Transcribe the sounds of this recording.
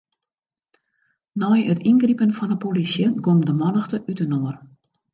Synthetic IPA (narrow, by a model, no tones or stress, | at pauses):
nɔjətinɡripənfɔnəpolisjəɡomdəmɔnəxtəʔytənoər